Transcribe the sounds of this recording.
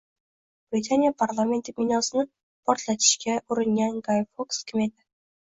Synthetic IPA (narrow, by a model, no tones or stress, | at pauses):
b̥ɾit̪ʰanijapʰaɾlˠɑment̪ːɪk̚ʲminɑsɨnɨ | pʰoɾt̪ʰlˠɑt̪ʰɪ̥ʃkʲɛʔuɾɨŋjɑnɡɑjfokskʲʰɪmed̪ɪ